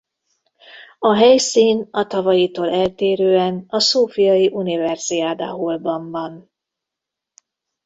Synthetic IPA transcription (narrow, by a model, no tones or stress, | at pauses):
ɒɦɛjsiːnɒt̪ɒvɒjit̪oːlɛlt̪eːɾøːɛnɒsoːfijɒjiʔunivɛrz̥iaːd̪a̰ːɦolbɒɱbɒn